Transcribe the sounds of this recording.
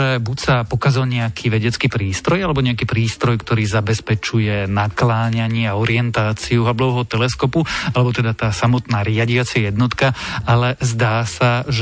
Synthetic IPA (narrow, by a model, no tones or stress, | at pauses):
ɛbucsapɔkazɔlɲɛakʰiːʋɛɟɛt͡skiːpɾiːst̪ɾɔjalɛbɔɲɛakiːpɾiːst̪ɾɔjkt̪ɔɾiːzabɛspɛt͡ʃujɛnaklaːɲaɲɪɛaɔɾɪɛnt̪aːt͡siuɦablɔʋɛɦɔt̪ɛlɛskɔpualɛbɔt̪ɛd̪at̪aːsamɔt̪naːɾɪaɟiat͡sajɛd̪nɔt̪kaalɛzd̪aːsaʒ